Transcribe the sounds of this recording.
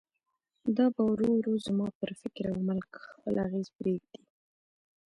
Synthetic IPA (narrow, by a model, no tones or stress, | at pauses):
d̪ɑbawɾoɾuzmɑp̪əɾfɪkɾawməlkxpə̰laɣezpɾeɡ̚d̪i